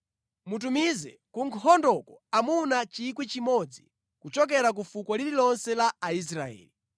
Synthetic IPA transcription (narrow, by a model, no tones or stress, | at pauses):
mutumizɛ | kuŋkʰɔndɔkɔamunat͡ʃikwit͡ʃimɔd͡zi | kut͡ʃɔk̬ɛɾak̬ufukwɔlililɔnsɛlaːis̬ɾa̰ɛ̰ːli